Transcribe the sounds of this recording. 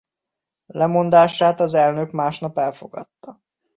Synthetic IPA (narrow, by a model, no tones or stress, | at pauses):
lɛmo̞nd̪aːʃaːt̪ɒzɛlnøkmaːʃnɒpɛlfo̞ɡɒ̰t̪ːɒ